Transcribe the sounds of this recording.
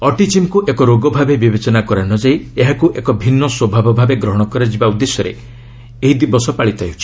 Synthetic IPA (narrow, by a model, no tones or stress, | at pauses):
ɔʈit͡ʃimkuʔekɔɾoɡɔbʱabebibet͡ʃɔnakɔɾanɔd͡ʒaieɦakuʔekɔbʱinːɔswɔbʱabɔbʱabeɡɾɔɦɔɽ̃ɔkɔɾed͡ʒibaud̪ːesjɔɾḛ | eɦid̪ibɔsɔpaɭit̪ɔajɦut͡ʃʰi̥